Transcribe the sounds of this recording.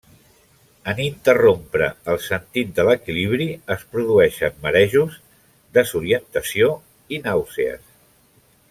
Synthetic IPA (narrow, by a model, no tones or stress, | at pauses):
ənint̪ərompɾəəlˠsənt̪it̪̚d̪ələkiliβ̞ɾiəspɾuðuɛʃə̰nməɾɛʒuz | d̪əzuɾiənt̪əsio | inawseə̰s